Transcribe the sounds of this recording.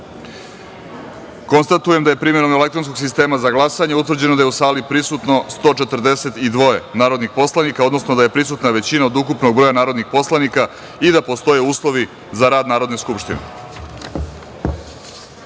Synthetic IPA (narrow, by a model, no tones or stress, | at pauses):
ko̞nst̪at̪uje̞md̪ajepɾimje̞ɾomele̞k̚t̪ɾonskoɡs̬ist̪e̞ːmazaɡlˠasaɲeut̪̬ʋr̩d͡ʑe̞nod̪ajeusaːlipɾisut̪no̞st̪o̞ːt͡ʃet̪r̩d̪e̞se̞t̪id̪ʋo̞e̞naːɾo̞d̪nixpo̞slˠanikao̞d̪no̞snod̪aje̞pɾisut̪naʋe̞t͡ɕinaod̪ukupno̞ɡ̚bɾo̞janaːɾo̞d̪nixpo̞slanika | id̪apo̞st̪o̞je̞uːslˠo̞ʋi | zaɾaːd̪naːɾo̞d̪ne̞skupʃt̪inḛ